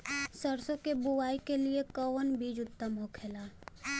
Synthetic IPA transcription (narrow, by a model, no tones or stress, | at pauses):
səɾsõkebʊwaːikeliekəʋnbiːd͡ʒʊt̪ːəmɦokʰeːlaː